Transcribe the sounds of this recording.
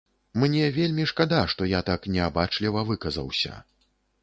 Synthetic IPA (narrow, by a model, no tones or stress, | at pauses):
mnʲɛvʲelʲmʲiʂkad̪aʂt̪ɔjat̪aknʲɛabat͡ʂlʲivɐvɨkɐzɐ̰wsʲɐ̰